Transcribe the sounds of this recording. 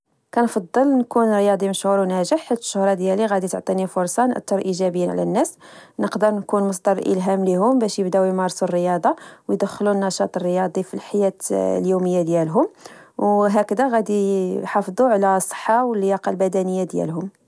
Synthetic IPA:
kænfɑd̪ˤːəlnkunɾjɑd̪ˤiməʃhuɾwnæʒəħːit̪ə̥ʃːʊhɾˤɑd̪jæliɣæd̪it̪əʕt̪ˤinifʊɾsˤɑnʔæ̰t̪ːɑɾˤʔiʒæbəjːinʕlæ̰nːæsnəqd̪əɾˤnkunmʊs̬d̪ɑɾˤʔə̰lɦæmliɦʊmbæʃjəbd̪æwjmɑɾˤsurːəjɑd̪ˤɑwjd̪əxːlunːɑʃɑt̪ˤərːəjɑd̪ˤifilħajæt̪ljuməjːad̪jælɦʊmwɦækd̪æɣæd̪iħɑfd̪ˤuʕlæsˤə̥ħːɑwəlːjɑqɑlbæd̪ænəjːad̪jæ̰lɦʊm

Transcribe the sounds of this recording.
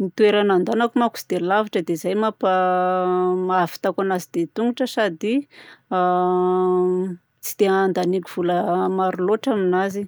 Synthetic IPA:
mit̪ueɾanand̪anakumaku̥si̥d̪̥eilavaʈ͡ʂəd̪ezajmapa | maafi̥t̪akanazid̪̥et̪uŋuʈ͡ʂəsad̪ia | t͡si̥d̪̥eand̪anikʲuv̥uləmaɾuloʈ͡ʂaminazi

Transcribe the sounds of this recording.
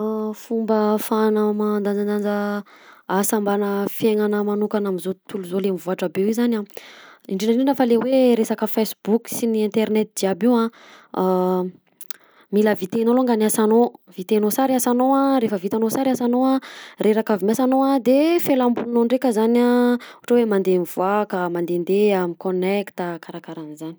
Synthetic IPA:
fumbəfanəmand̪and͡zand̪and͡zə | asambanəfjeŋanəmanukanaminzot̪uluzolemivuaʈ͡ʂəbewizanaiɳɖ͡ʐinaɳɖ͡ʐinafəleweɾesakəfesbuksiniɛnt̪eɾnɛt̪̚d̪iabiã | miləvit̪enoloŋɡanasanovit̪enosaɾiasanoãɾefəvit̪anosaɾiasanoareɾakavimasanoad̪efelambunnoɳɖ͡ʐekəzanauʈ͡ʂawemand̪emivuakamand̪end̪eamikonekt̪akaɾakaɾanizani̥

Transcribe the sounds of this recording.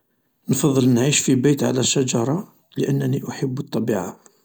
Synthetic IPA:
nfɑðˤːəlnʕiʃfibæjt̪ʕa̰læʃæd͡ʒɑɾˤɑ | ləʔənːæniʔʊħəbːət̪ˤːɑbiʕa̰

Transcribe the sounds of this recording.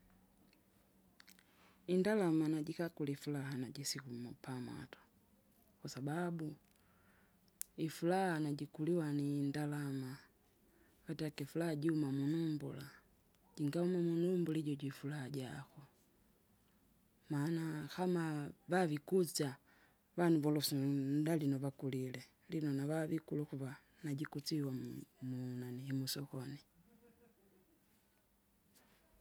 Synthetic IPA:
indalamanaɟikakulifulaɦanaɟisikumupʰama̰tḁ | kwasababu | ifulahanaɟikuliwanindalama | katakifulahaɟiumamunumbṵla̰ | ɟiŋɡaumamunumbuliɟɔɟuifulahaɟaxu | maːnaxamaβaβikut͡sa | βanuβɔlɔsundalinɔβakulilɛ | linɔnaβaβikulukuβa | naɟikut͡siwamunanihimusɔxɔni

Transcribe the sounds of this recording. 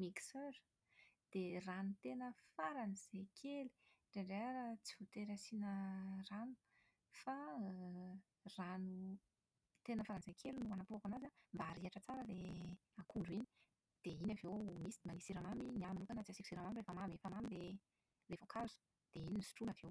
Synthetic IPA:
miksøɾ | d̪̥eranut̪enəfaɾaniz̥ejkʰeli̥ɖ͡ʐeɳɖ͡ʐeaɾt͡sivut̪eɾasinəranu̥ | fa | ranu | t̪enəfaɾanzekʰelinuanapuakanazambaːɾiaʈ͡ʂət͡saɾəle | akuɳɖ͡ʐuini | d̪̥einavewmisiimanisiɾamaminiamanukanat͡siasiki̥siɾamamirefamamefamamile | levokʰazu̥ | d̪̥eininisu̥ʈ͡ʂunavew

